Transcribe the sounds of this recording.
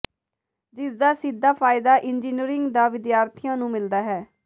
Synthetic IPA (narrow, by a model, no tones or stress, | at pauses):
d͡ʒɪsd̪aːsɪd̪ːaːpʰaːɪd̪aːʔɪnd͡ʒiːniɾɪŋɡd̪aːʋɪd̪jaːɾt̪ʰɪjãːnũːmɪld̪aːɦɛː